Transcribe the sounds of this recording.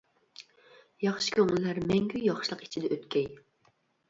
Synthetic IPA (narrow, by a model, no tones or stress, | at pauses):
jɑχʃi̥kʲʰøŋɪlːæɾmɛŋɡʲyjɑχʃlˠəqi̥t͡ʃʰid̪ɛʔøt̪kʲʰɛj